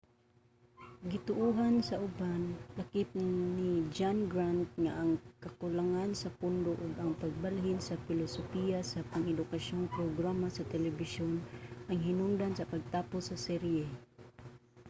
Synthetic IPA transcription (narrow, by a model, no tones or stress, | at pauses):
ɡɪt̪ʊʔuɦansɐʔʊbanlakɪp̪̚nɪd͡ʒanɡɾant̪̚ŋaʔːŋkakʊlaŋansɐpʊnd̪oʔʊɡaŋpaɡ̚balɦɪnsafɪlosofijasapaŋɛd̪ʊkaʃjoŋpɾoɡɾamasɐt̪ɛlɛbɪʃjonʔaŋɦɪnʊnd̪ansɐpaɡ̚t̪aːpʊsɐsɛɾjɛ